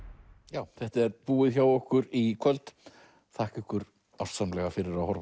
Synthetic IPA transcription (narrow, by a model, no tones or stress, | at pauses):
jaːwθɛht̪aɛɾpuːɪðçawɔhkʏɾikʰvœlt̪ | θʰahkɪhkʏɾ | awr̥t̪samlɛɣafɪɾɪɾawhɔɾv